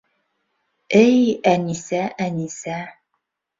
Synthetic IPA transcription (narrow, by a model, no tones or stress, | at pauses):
ejænisæʔænisæ